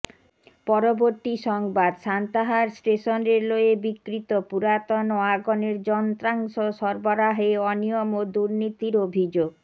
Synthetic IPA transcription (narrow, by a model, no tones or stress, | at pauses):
pɔɾoboɾt̪iʃɔŋbad̪ʃant̪aɦaɾsʈeʃoneɾloebikɾit̪opuɾat̪onoaɡoneɾd͡ʑɔnt̪ɾaŋʃoʃɔɾboɾaɦeɔnijomod̪uɾnit̪iɾobʱid͡ʑoɡ